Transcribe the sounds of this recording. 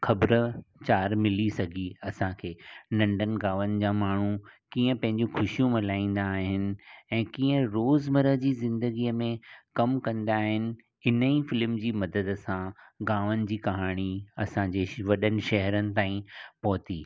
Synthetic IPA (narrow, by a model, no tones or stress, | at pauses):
xʰɐbɾt͡ɕaːɾmɪlisɐɡʱiɐsãkʰeːnɐ̃ɳɖənɪ̆ɡaːʋənɪ̆d͡ʑaːmaːɳ̤ukĩːə̃pɐ̃ɦɪ̃ɲd͡ʑũxʰʊʃijũmɪlaːĩːn̆d̪aːɦɪnɪ̆ɛ̃ːkĩːə̃ɾoːzmɐɾəɦd͡ʑiːzɪ̃nd̪əɡiəmẽkɐmkɐ̃nd̪aːɦɪnɪ̆ | ɪnəifɪlmd͡ʑiːmɐd̪əd̪sãɡaːʋənɪ̆d͡ʑiːkɐɦaːɽ̃iɐsãɲd͡ʑeːʋɐɗənɪ̆ʃɐɦəɾənɪ̆t̪ãːĩpɔɦʊt̪iː